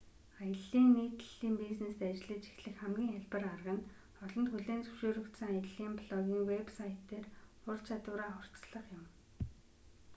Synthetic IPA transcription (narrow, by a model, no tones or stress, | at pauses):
ajə̆ɮiːŋːiːt̪ɮiːmpiznest̪at͡ɕɪɮə̆t͡ɕi̥xɮɘ̆xχæmɡʲiːŋæɮpə̆rarʁə̆n | ɔɮɞ̆nt̪xuɮeːnt͡sɵ̥wʃoːɾɵ̆kt̪sə̆ŋajə̆ɮiːmpɮɔɣʲiːŋwepsajʰt̪ːeːrʊɮt͡ɕʰat̪ʊːɾaːχʊr̥t͡sɮə̆χjʊ̆m